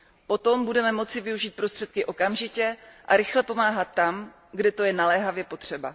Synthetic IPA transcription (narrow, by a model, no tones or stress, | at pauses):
po̞t̪o̞mbudɛmɛmo̞t͡sɪvɪuʒiːt̪̚pɾo̞st̪r̝̥ɛt̪kɪʔo̞kamʒɪcɛʔa̰ɾɪxlɛpo̞maːɦat̪ːam | ɡdɛt̪o̞jɛnalɛːɦavjɛpo̞t̪r̝̥ɛba̰